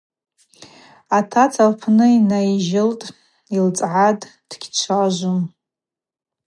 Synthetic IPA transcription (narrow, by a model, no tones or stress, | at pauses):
atʰat͡sʰalpʰnɨinajʒɪltʼ | ilt͡sʼʕadd̥ɡʲt͡ʃʷʰaʒʷum